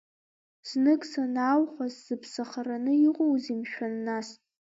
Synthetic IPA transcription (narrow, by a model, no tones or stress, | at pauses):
z̥nɨkʼsanaːwχʷazz̥ɨpʰsaχaranɨiqʼowzimʃᶣanːasʼ